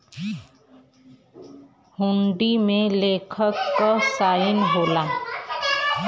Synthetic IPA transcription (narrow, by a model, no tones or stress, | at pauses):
hʊ̃ɳɖimẽleːkʰəkkasaːɪnɦoːlaː